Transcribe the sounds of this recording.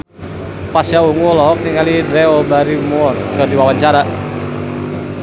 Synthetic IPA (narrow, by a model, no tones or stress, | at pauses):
pasjauŋulɔɦɔk̚niŋalidɾɛɔbaɾimuɔrkɨrdiwawaɲt͡ʃaɾa